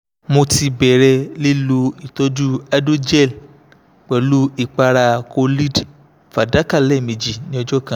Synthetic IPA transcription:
mo˧ti˧bɛ˨ɾɛ˧li˦lu˦i˨to˦d͡ʒu˦a˧˦do˦d͡ʒɛ˦˨l | k͡pɛ˨lu˦i˦˨k͡pa˧ɾa˧ko˧li˦d | fa˨da˨˦ka˦˨lɛ˦˨mĩ˨d͡ʒi˨nĩ˦ɔ˧d͡ʒɔ˦kã˦

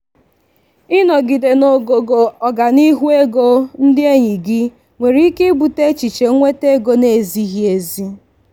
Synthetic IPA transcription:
ɪ˦nɔ˨ɡi˨de˨no˨ɡo˨ɡo˨ɔ˨ɡa˨ni˦ɦu˦e˦ɡo˦n̩˦dɪ˦e˦ɲi˨ɡɪ˦ | ŋʷe˨ɾi˨i˦ke˦bu˨te˦t͡ʃi˨t͡ʃe˨˦ŋʷe˦te˦ɡo˦ne˨zi˦ɦi˦e˨zi˦

